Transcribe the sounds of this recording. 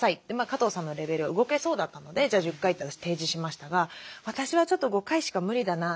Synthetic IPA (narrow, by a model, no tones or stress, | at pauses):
sait̪ːemakat̪o̞ːsãnːo̞ɾe̞be̞ɾɯ̟βaɯ̟ɡo̞ke̞so̞ːd̪at̪ːano̞d̪e̞d͡ʑaːʑɨ̟kːait̪ːeat̪aɕi̥t̪e̞ːd͡ʑiɕimaɕi̥t̪aɡaβat̪aɕiβat͡ɕo̞t̪ːoɡo̞kaiɕi̥kamɯ̟ɾʲid̪ana